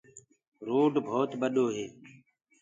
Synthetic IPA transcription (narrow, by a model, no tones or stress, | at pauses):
ɾoːɖbʱoːt̪ɓəɗoːɦeː